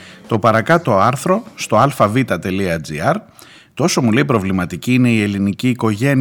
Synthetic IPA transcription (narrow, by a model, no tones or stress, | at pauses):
t̪o̞pɐɾɐkɐt̪o̞ɐɾθɾo̞st̪o̞ɐlfɐvit̪ɐt̪e̞liɐd͡zḭɐɾ | t̪ooso̞mule̞ipɾo̞vlimɐt̪iciːne̞ie̞liniciːko̞ʝe̞n